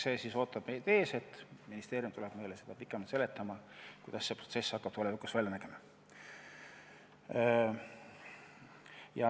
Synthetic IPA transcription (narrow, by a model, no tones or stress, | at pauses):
se̞ːsiso̞ːt̪ˑːɑb̥mejd̪e̞ːse̞t̪ːˑminist̪eːɾjumt̪ule̞b̥me̞jlese̞d̪̥ɑpikːˑemɑt̪se̞le̞t̪ːˑɑmɑkujd̪̥ɑsːe̞prot̪se̞sːɑkːɑb̥t̪olevikusvælʲjɑnæɡ̥e̞mɑ | jɑ